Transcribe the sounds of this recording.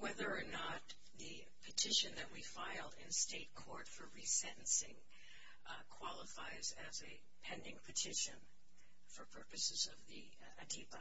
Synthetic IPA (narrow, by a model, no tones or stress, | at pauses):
wɛðə˞ːnət̪̚ | ðɨ | pʰɨtʰɪʃɨ̃nðɨt̚wifaɪlˠdɪ̰̃nsteɪt̚kʰɔɹtfə˞ɹisɛ̃ʔn̩sɪ̰̃ŋ | kʰw̥ɑlˠəfaɪzɨzɨ | pʰɛ̃ndɪ̃ŋpʰɨtʰɪʃɨ̰̃n | fə˞pʰɜ˞pɨsɨzʌvði | ɨdʰib